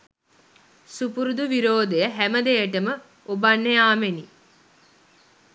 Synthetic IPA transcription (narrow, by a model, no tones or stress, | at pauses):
supuɾud̪uʋiɾoːd̪ejəɦæməd̪ejəʈəmə | obanːejaːmeni